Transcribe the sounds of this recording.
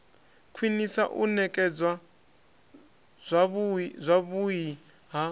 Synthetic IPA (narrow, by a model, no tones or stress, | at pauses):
kʰwinisa̰ʔunɛkʼɛd͡zwa | zʷaβuji | ɦa